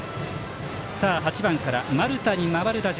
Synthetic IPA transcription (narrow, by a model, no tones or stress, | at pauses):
saːɦat͡ɕibãŋkaɾamaɾɯ̟t̪aɲ̟imaβaɾɯ̟d̪aʑ